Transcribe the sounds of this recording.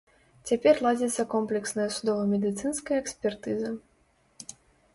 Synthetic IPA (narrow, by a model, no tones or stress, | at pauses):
t͡sʲapʲɛrlˠad͡zʲɛt̪sːɐkɔmplʲɛksnɐjɐsud̪ɔvɐmʲɛd̪ɨt̪sɨnskɐjɐɛksʲpʲɛrt̪ɨzɐ